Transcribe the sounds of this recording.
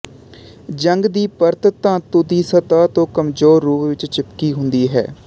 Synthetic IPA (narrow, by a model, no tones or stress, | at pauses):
d͡ʒəŋɡd̪iːpəɾt̪t̪ãːt̪ʊd̪iːsət̪aːt̪õːkəmzoːɾːuːpʋɪt͡ʃt͡ʃɪpkiːɦʊnd̪iːɦɛ̰ː